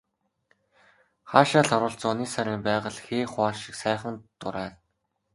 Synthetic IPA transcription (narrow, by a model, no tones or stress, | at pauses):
χaːʃaːɮɔɾʊːɬt͡sːʊniːsæɾʲiːmpæːʁə̆ɮxeːχwaːrʃi̥ksæːχə̆nt̪ʊɾæːn